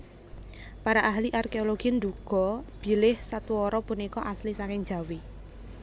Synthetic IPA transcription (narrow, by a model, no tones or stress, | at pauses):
paɾaʔaɦliʔarkeoloɡ̥ind̪uɡ̥ɔ̤b̥i̤lɪhsat̪uɔɾɔpunikɔʔaslisakɪŋ̥d͡ʒ̥a̤wi